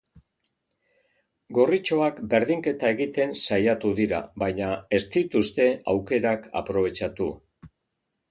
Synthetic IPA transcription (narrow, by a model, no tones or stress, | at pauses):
ɡo̞rit͡ʃo̞akbe̞ɾðiŋke̞t̪ae̞ɣit̪e̞nsajat̪uðiɾa̰βajɲae̞st̪it̪ust̪e̞awke̞ɾaka̰pɾo̞β̞e̞t͡ʃat̪u